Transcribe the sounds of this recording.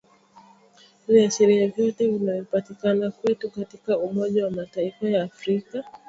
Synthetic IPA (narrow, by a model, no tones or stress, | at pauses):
viasiɾiavjɔtɛvinavipatikanakwɛtukatikaumɔʄawamataifajaːfɾika